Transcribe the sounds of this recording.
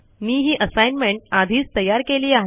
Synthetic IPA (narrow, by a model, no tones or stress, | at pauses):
niːɦiːʔəsajnmeɳʈ̚ad̪ʱiːt͡st̪əjaɾkeliːaɦe